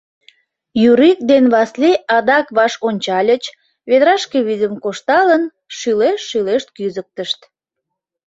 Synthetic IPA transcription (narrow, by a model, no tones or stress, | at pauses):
jyɾik̚d̪enβɑsleʔɑd̪ɑkβɑʃonʲt͡ɕɑlʲət͡ɕ | βed̪ɾɑʃkeβizʲəmkoʃt̪ɑlən | ʃyleʃːyleʃt̪kyzək̚t̪əʃt̪